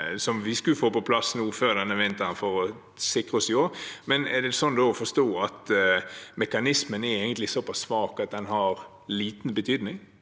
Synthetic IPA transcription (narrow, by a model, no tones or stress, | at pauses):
sɔmʋɪskʉlfoːpɔpʰlɑsnuːføːd̪ɛnɛʋɪnt̪ənfɔɾɔ | sɪkʁəɔsjoːmɛnɛd̪ɛsɔnd̪oːfɔst̪oːɑt̪ | mɛkɑnɪsmənɛɾeːɡənt̪lɪsɔpʰɑsːʋɑːkɑt̪̚d̪ɛnɦɑɾ | liːt̪n̩bət̪ʰyːd̪nɪŋ